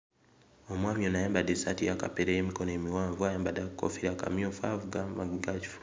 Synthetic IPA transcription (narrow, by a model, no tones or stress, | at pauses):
omwaːmjonajaːmbadesatijaka̰peɾejemikonoemiwaːɱvuajaːmbadako̰fiɾaka̰mjofavuɡamaɡiɡaci̥fu̥